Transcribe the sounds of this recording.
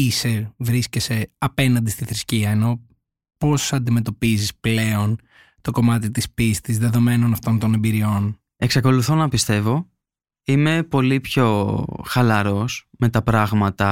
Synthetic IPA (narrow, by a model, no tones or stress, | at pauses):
ise̞vɾisce̞se̞ɐpe̞nɐnd̪ist̪iθɾisciɐeno̞ | po̞sɐnd̪ime̞t̪o̞pizisple̞o̞n | t̪o̞ko̞mɐt̪it̪ispist̪izðe̞ðo̞me̞no̞nɐft̪o̞nt̪o̞ne̞mbiɾio̞n | e̞ksɐko̞luθonɐpist̪e̞vo̞ | ime̞po̞lipço̞xɐlɐɾo̞sme̞t̪ɐpɾɐɣmɐt̪ɐ